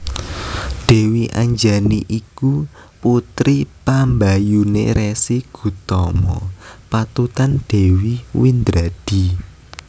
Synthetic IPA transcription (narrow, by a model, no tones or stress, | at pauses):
ɖ̥e̤wiʔa̰ɲd͡ʒaniʔikuput̪ɾipambajunḛɾesiɡ̥ṳt̪ɔmɔ̰pat̪ut̪anɖ̥e̤wiwind̪ɾad̥i̤